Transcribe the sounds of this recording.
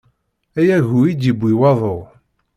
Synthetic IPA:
æjæʝuid̪ibʷːiwɑðˤoʁ

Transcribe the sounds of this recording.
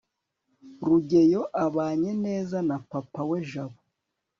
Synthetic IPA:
ɾuɟe̞jo̞ʔaβaːɲe̞ne̞ːzanapapawe̞ʒaβo

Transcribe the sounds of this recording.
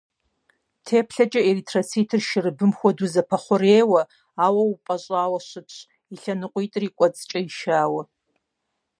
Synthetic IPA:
tʰeːpʰɬɐt͡ʃʼɐeritʰrɐt͡sʰiːtʰɨrʃɪrɨbɨmxʷɔduzɐpʰɐχʷʊreːwɐ | aːwɐwupʼɐɕʼaːwɐɕɨpʰɕ | iɬɐnɨqʷʼitʼriːkʷʼɔt͡sʼt͡ʃʼɐiʃaːwɐ

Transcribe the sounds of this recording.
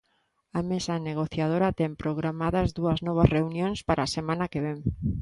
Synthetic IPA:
amesaneɣ̞oθjað̞oɾɐt̪ɛmpɾoɣɾamaðɐzðuɐznɔβ̞azreunjõŋspaɾʔasemãnakeβeŋ

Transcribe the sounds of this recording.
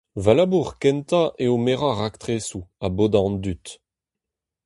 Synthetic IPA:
valabuʁkɛnt̪aʔeomeʁaʁakt̪χeːsuaboːd̪ɑ̃nd̪yt̪

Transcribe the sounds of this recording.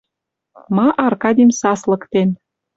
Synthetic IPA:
mɑʔɑrkɑd̪ʲimsɑslɤ̆kt̪en

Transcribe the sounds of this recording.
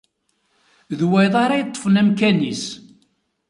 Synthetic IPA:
ðwæjðˤɑɾˤɑjət̪ˤːə̥fənæmkænis

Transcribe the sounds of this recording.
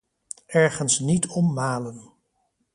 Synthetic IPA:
ɛɹχənsnitʰɔmːaːlən

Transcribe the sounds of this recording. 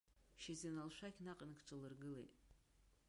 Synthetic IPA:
ʃezenalʃʷakʲʰnaqʼənkʰt͡ʃʷʰʼɨlɨrɡɨlḛjtʼ

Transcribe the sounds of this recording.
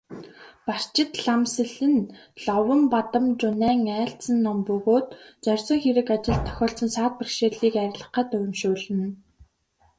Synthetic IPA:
par̥t͡ɕɪ̆t̪ɮamsɘ̆ɮɘ̆nɮɔwə̆mpat̪ə̆mt͡ɕʊnæːŋæːɬt͡sə̆nːɔmpɵɣoːt̪̚t͡sœrʲsɞ̆ŋxeɾɘ̆kat͡ɕɪ̆ɮt̪ʰːœ̥xʲɔːɬt͡sə̆nsaːt̪̚pə̆rkʃeːɮiːkæɾʲɪ̆ɮə̆χə̆t̪ʊjɪ̆mʃoːɮɘ̆n

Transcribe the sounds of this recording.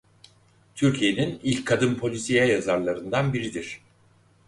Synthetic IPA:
t̪ʰyɾcʰije̞ninilʲckʰːad̪ɯmpʰo̞lʲisijɛjazaɾlˠaɾɯnd̪anbiɾid̪iɾ̥

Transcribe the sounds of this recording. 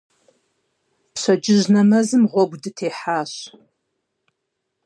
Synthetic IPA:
pɕɐd͡ʒɪʒnɐmɐzɨmʁʷɔɡʷdɨtʰeːħaːɕ

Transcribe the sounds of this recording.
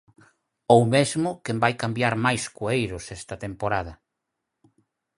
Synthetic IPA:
owmezmʊkembajkambjaɾmajskoejɾʊsɛst̪ɐt̪empoɾað̞ɐ

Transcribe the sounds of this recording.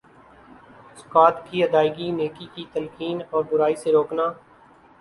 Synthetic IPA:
skaːt̪kiəd̪aːɪɡineːkikit̪əlkiːnɔːɾbʊɾaːiseɾoːknaː

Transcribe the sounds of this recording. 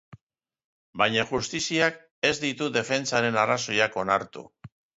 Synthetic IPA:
bajɲaxust̪isiak | e̞zd̪it̪uðe̞fe̞nt͡saɾe̞naraso̞jako̞naɾt̪ṵ

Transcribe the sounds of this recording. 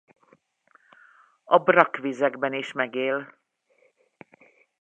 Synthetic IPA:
ɒbrɒkʋizɛɡbɛniʃmɛɡeːl

